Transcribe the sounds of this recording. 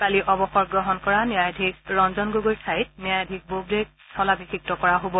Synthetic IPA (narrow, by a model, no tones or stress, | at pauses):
kaliʔɔbɔxɔɹɡɹɔɦɔnkɔɹanjajadʱik̚ɹɔnzɔnɡoɡojsʰajt̚njajadʱik̚bobɹek | sʰɔlabikʰik̚tɔkɔɹaɦobɔ